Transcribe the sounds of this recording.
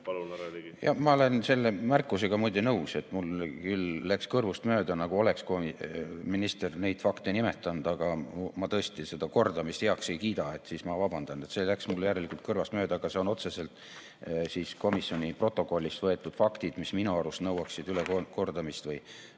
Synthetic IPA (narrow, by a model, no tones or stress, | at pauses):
ljɑ̰mɑo̞le̞nse̞lːe̞mærkːˑuse̞ɡ̥ɑmujd̪enɤuwse̞t̪ːˑmulkylːækskɤrvust̪mø̞ːd̪ɑnɑɡ̥uo̞le̞kskomiminist̪erne̞jd̪̥fɑkt̪enime̞t̪ːˑɑnd̪̥ɑɡ̥ɑmmɑt̪ɤ̞est̪ise̞d̪̥ɑko̞rd̪ɑmist̪heɑkse̞jkiːd̪̥ɑe̞t̪ːˑsiːsmɑvɑb̥ɑnd̪̥ɑne̞t̪se̞ːlæksmulːjæɾe̞likult̪̚kɤrvɑst̪mø̞ːd̪ɑːɡ̥ɑse̞o̞no̞t̪se̞se̞lt̪ | siːsko̞misjo̞nʲipro̞t̪ːˑo̞ko̞lʲːist̪vɤ̞e̞t̪ːˑud̪̥fɑkt̪id̪̥misminuɑɾust̪nɤwɑksid̪ylekoko̞rd̪ɑmist̪vɤj